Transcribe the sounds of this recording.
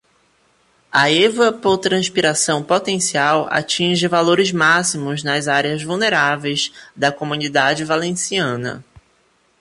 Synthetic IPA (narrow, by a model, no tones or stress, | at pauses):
ɐevɐpoɾt̪ɾɐ̃spiɾasɐ̃w̃pot̪ẽsiawa̰t͡ʃĩʒɪvaloɾɪzmasimʊznɐzaɾeɐzvuwneɾavejzd̪ɐkomũnid̪ad͡ʒɪvalẽsiɐ̃nɐ̰